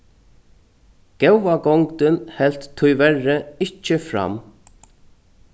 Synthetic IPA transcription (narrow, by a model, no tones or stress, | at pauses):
ɡ̥ɛwvaɡɔŋkt̪ənhɛlt̪ʰːʊjvɛrəɪt͡ʃːəfɾa̰m